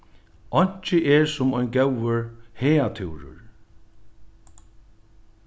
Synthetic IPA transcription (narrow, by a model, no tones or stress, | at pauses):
ɔɲ̥t͡ʃɪʔɛɹsʊmɔjnɡɛwəɹheːat̪ʰɪwɾʊ̰ɹ